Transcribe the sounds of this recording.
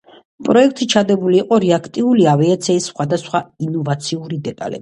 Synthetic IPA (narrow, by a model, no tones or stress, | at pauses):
pʼɾɔɛkʰt̪ʰʼit͡ʃʰad̪ɛbuliːqʼɔɾɛakʰt̪ʼiuliaviat̪sʰɛisːχwad̪asχwainɔvat̪sʰiuɾid̪ɛt̪ʼa̰lɛ̰bi